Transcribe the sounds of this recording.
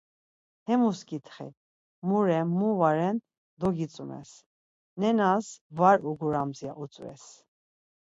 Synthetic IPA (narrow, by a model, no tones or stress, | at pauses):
hɛmuskʼit̪ʰχɛ̰ | muɾɛmːuvaɾɛn | d̪ɔɡit͡sʼumɛ̰s | nɛnasvaɾuɡuɾamzjaʔut͡sʼvɛ̰s